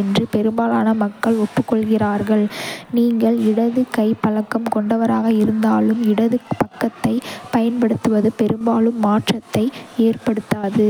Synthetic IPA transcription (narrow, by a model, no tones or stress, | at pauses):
ɛndrɯpɛɾɯmbaːlaːnɐmɐkːɐɭʊʈpːɯkːɔɭɣɪraːɾɣɐɭniːŋɡɐɭɪɽɐðɯkɐɪpːɐlɐkːɐmkɔɳɖɐʋɐɾaːɣɐɪɾɯnd̪aːlɯmɪɽɐðɯpɐkːɐt̪ːɐɪpɐjɐnpɐɽɯt̪ːɯʋɐðɯpɛɾɯmbaːlɯmːaːʈrɐt̪ːɐɪeːrpɐɽɯt̪ːaːðɯ